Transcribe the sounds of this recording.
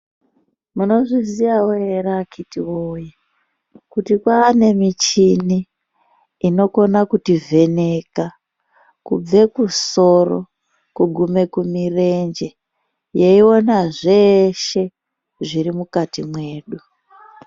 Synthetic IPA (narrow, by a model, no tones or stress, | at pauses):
muno̞ʐiziʋawoeɾakitiwoja | kutikwaːne̞mit͡ʃiniː | no̞ko̞nakutive̞ne̞ːka | kṵb͡ve̞kuso̞ro̰ | kuɡʱume̞kumire̞nd͡ʒe̞ | je̞io̞naʐe̞ʃe̞ | ʐiɾimukatimwe̞ːɗu